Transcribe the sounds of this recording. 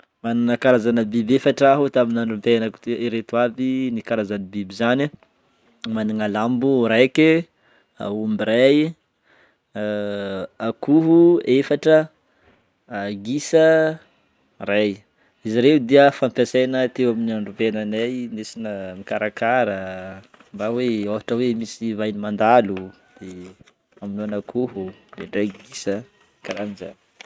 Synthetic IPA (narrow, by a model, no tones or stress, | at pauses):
manunəkaɾazanəbibefaʈ͡ʂaɦut̪aminaɳɖ͡ʐumpenaku̥t̪iɾet̪uabinikaɾazanibibizani | maniŋalambuɾeke | a̰umbiɾaj | akuɦuefaʈ͡ʂə | aɡisə | raj | iziɾeud̪iəfampjasenət̪ewaminiaɳɖ͡ʐuvenanajnesinəmikaɾakaɾə | mbaweavaʈ͡ʂəwemisivajnimand̪alu | d̪̥e | aminuanakʰuɦulḛɳɖ͡ʐeɡisə | kaɾaniza̰n